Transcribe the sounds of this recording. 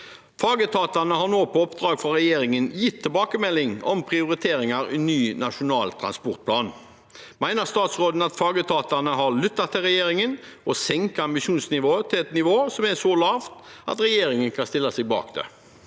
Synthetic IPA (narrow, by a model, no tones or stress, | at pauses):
fɑːɡət̪ʰɑːt̪ɑnəɦɑʁnoːpʰɔɔpd̪ɾɑːɡfɔɾɛjeːɾɪŋənjɪt̪ʰːɪlbɑːkəmɛlːɪŋɔ̰mpʰʁɪʊɾɪt̪ʰeːɾɪŋɑɾḭnyːnɑʂʊnɑːlt̪ʰɾɑ̰nspɔɾt̪̚pʰlɑːn | mæɪnəʁst̪ɑːt̪sʁoːd̪n̩ɑt̪fɑːɡət̪ʰɑːt̪ɑnəɦɑʁlʏt̪ːɑt̪ʰːɪlʁɛjeːɾɪŋənɔsɛŋkəɑmbɪʃuːnsnɪʋoːət̪ʰɪlɛt̪nɪʋoːsɔmɛsɔlɑːʋt̪ʔɑ̰t̪ɾɛjeːɾɪŋənkʰɑnst̪ɪlːɑsɪɡ̚bɑ̰ːkd̪ḛ